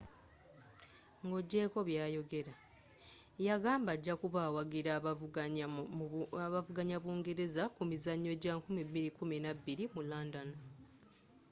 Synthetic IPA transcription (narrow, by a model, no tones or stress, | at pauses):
ŋɡo̞ɟːe̞ːko̞βjaːjo̞ɡe̞ɾa | jaɡaːmbaɟːakuβaːwaɡiɾaa | βavuɡaɲaβuːŋɡe̞ɾe̞zakumizaɲːo̞ːɟaːkumibiɾikuminabːiɾimulaːndano